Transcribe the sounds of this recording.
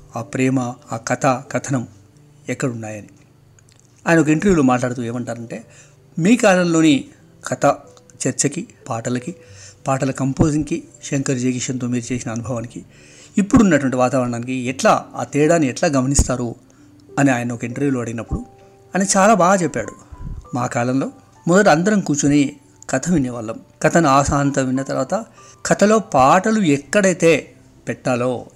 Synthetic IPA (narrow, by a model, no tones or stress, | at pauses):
aːpɾɛːmɐaːkɐt̪ʰakɐt̪ʰɐnɐm | ɛkːɐɽunːaːjɐni | aːjɐnɐokɐiɳʈɐɾjuːloːmaːʈlaːɽɐt̪̬uːe̞ːmɐɳʈaːɾɐɳʈe̞ː | miːkaːlɐmlo̞ːni | kʰɐt̪ʰɐ | t͡ʃɐɾt͡ʃɐkipaːʈɐlɐkipaːʈɐlɐkɐmpo̞ːziŋɡkiʃɐŋkɐɾd͡ʒeːɡiʂɐnt̪o̞ːmiːɾut͡ʃe̞ːsinɐːnubʱɐʋaːniki | ipːuɽunːɐʈuʋɐɳʈiʋaːt̪aːʋɐɳɐɳaːnikiɛʈlaːa̰ːt̪ɛːɽaːnːiɛʈlaːɡɐm̤ɐnist̪aːɾu | ɐniaːjɐnɐɔkɐiɳʈɐɾʋiːloːɐɽiɡinɐpːuɽu | ɐnɐt͡ʃaːlaːbaːɡɐt͡ʃɛpːaːɽumaːkaːlɐmlo̞ː | mɔd̪ɐʈ̬iɐnd̪ɐɾɐmkuːt͡ʃuni | kʰɐt̪ʰɐʋinjɐʋɐlːɐmkɐt̪ʰɐnuaːsaːnt̪ɐmʋinːɐt̪ɐɾʋaːt̪ɐ | kʰɐt̪ʰɐlo̞ːpaːʈɐluɛkːɐɽɐjt̪e̞ː | pɛʈːaːlo̞ː